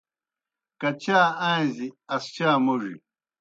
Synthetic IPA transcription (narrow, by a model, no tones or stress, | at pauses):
kɐt͡ɕaːãːziɐst͡ɕaːmuʐḭ